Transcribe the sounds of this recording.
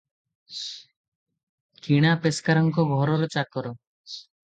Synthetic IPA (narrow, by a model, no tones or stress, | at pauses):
kiɽ̃apeskaɾɔŋkoɡʱɔɾɔɾɔt͡ʃakɔɾo